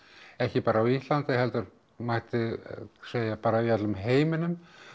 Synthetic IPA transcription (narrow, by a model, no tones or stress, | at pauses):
ɛhcɪpaːɾaːwist̪lant̪ɪɦɛlt̪ʏɾ | majht̪ɪseːjapaːɾaiat̪lʏmɦeːjmɪnʏm